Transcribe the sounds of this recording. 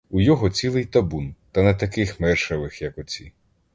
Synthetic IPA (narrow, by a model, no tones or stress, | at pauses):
ujɔɦɔt͡sʲilˠɪjt̪ɐbunt̪ɐnɛt̪ɐkɪxmɛrʃɐʋɪxjɐkɔt͡sʲi